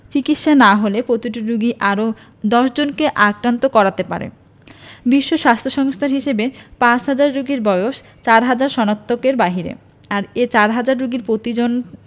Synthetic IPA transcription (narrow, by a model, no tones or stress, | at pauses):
t͡ɕikit̪ʃanaɦolepɾot̪iʈiɾuɡiʔaɾo | d̪ɔʃd͡ʑonkeʔakɾant̪okɔɾat̪epa̰ɾḛ | biʃːoʃast̪ʰoʃɔŋst̪ʰaɾɦiʃebepãt͡ɕɦad͡ʑaɾɾuɡiɾbɔoʃ | t͡ɕaɾɦad͡ʑaɾʃɔnat̪ʰːokeɾbaɦiɾḛ | aɾet͡ɕaɾɦad͡ʑaɾɾuɡiɾpɾot̪id͡ʑon